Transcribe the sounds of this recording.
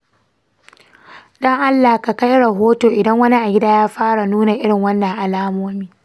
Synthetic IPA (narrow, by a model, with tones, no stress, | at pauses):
ɗɐ˦ŋʔa˦lːa˨hka˨ka˦jɽɐ˨ɦoː˦toː˨ʔɪ˨dɐ˦ŋwɐ˦ni˦ʔa˨ɡʲɪ˦daː˦jaː˦ɸaː˦ɽa˨nuː˦na˨ʔɪ˦ɽɪ˨ŋwɐ˦nːɐ˨ŋʔa˨laː˦moː˦miː˦